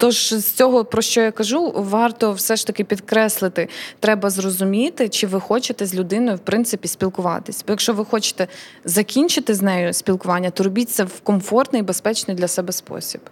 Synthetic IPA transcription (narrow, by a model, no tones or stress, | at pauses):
t̪ɔʒzʲt͡sʲɔɦɔpɾɔʃt͡ʃɔjakɐʒuʋɑrt̪ɔwsɛʃt̪ɐkɪpʲid̪kɾɛsʲlˠɪt̪ɪt̪ɾɛbɐzrɔzʊmʲit̪ɪt͡ʃɪʋɪxɔt͡ʃɪt̪ɛzʲlʲʊd̪ɪnɔjʊwpɾɪnt̪sɪpʲisʲpʲilˠkʊʋɑ̰t̪ɪsʲbjɐkʃt͡ʃɔʋɪxɔt͡ʃɪ̥t̪ɛzɐkʲinʲt͡ʃɪt̪ɪznɛjʊsʲpʲilˠkʊʋɑnʲːɐt̪ɔɾɔbʲit̚ʲt͡s̪ʲɐʋkɔmfɔrt̪nɪjbespɛt͡ʃnɪjd̪lʲɐsɛbɛspɔ̰sʲib̥